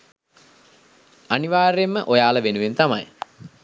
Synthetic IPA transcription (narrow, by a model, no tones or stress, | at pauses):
aniʋaːɾemːəʔojaːləʋenuʋent̪ama̰j